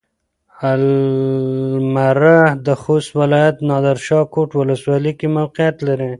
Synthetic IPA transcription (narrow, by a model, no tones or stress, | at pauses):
al | maɾahd̪əxost̪wɪlɑjat̪nɑd̪aɾʃɑkoʈwʊləswɑlikemawqijat̪laɾi